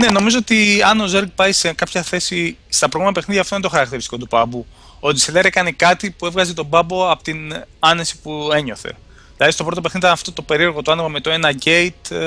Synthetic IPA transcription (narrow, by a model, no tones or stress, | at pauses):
ne̞no̞mizo̞ot̪iɐno̞zeɾɡ̚pɐjsekɐpçɐθe̞sist̪ɐpɾoɣmɐt̪ɐpeniðʝɐft̪ont̪o̞xɐɾɐkt̪eɾist̪i̥ko̞t̪upɐbu | od̪iseleɾekɐne̞kɐt̪ipue̞vɣɐze̞t̪o̞bɐbo̞ɐpot̪inɐne̞si̥pue̞ɲo̞θe̞̰ | ðilɐðist̪o̞pɾo̞t̪o̞pe̞xnit̪ɐnɐft̪o̞t̪o̞pe̞ɾie̞ɾɣo̞t̪uɐnepɐme̞t̪oe̞nɐɟe̞jt̪